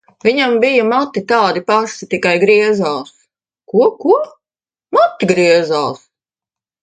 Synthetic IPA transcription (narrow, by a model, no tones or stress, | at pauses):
vʲiɲambijɐmat̪ːit̪aːd̪ipaʃit̪ikajɡɾiɛzaːs | kukuɔ | mat̪ːiɡɾiɛzaːs